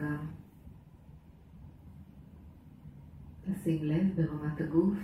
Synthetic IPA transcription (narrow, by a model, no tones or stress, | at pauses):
am | tasiɡlevbeʁamat̪haɡuf